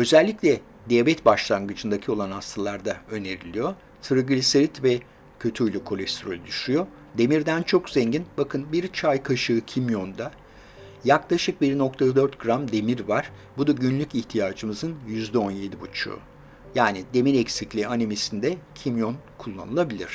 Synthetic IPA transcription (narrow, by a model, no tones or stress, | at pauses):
ø̞zɛlʲːiclʲɛ | d̪ɛvɛt̪baʃlˠaŋɡɯt͡ʃʰɯnd̪acʰio̞lˠanhast̪ʰalˠaɾd̪aø̞ne̞ɾilʲijo̞ | t̪ʰɯɾaɡɯlʲiseɾit̪vɛ | cʰø̞t̪ʰyylʲykʰo̞lʲɛst̪ʰɾolʲd̪yʃyjo̞ | d̪e̞miɾd̪ænt͡ʃʰo̞kzeɲɟinbakʰɯnbiɾt͡ʃʰajkʰaʃɯɯcʰimjo̞nd̪a | jaklˠaʃɯk̚biɾno̞kt̪ʰad̪ø̞ɾt̪ɡɾamd̪e̞miɾvaɾ̥ | bud̪aɟynlʲyciçt̪ʰijaːd͡ʒɯmɯzɯnjyzd̪ɛo̞nje̞d̪ibut͡ʃʰṵː | jaːnid̪e̞miɾɛcsiclʲianemisind̪ɛcʰimjo̞nkʰulˠːa̰nɯlˠabilʲiɾ̝̥